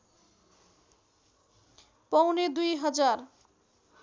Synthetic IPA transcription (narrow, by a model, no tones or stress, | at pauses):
pʌwned̪ujɦʌd͡ʒaɾ